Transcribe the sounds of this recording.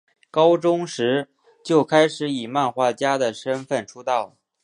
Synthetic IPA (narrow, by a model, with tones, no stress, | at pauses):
kɑ˥ʊʈ͡ʂʊ˥ŋʂɻ̩˧˥ | t͡ɕjo˥˩ʊkʰa˥ɪʂɻ̩˧˥i˨˩ma˥˧nxwa˥˩t͡ɕja˥d̪ə˨ʂə˥nfə˥˩nʈ͡ʂʰu˥t̪ɑ˥˩ʊ